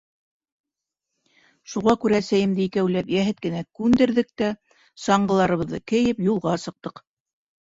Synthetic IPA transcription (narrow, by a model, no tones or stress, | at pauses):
ʃuʁɑkʉɾæːsæjɘ̆md̪ɘikæwlæpjæɦɘt̪̚kɘ̆nækʉnd̪ɘ̆ɾðɘk̚t̪æ | sɑɴɢɤ̆lˠɑɾɤ̆βɤ̆ðːɤkɘ̆jɘpjulˠʁɑsɤ̆q̚t̪ɤq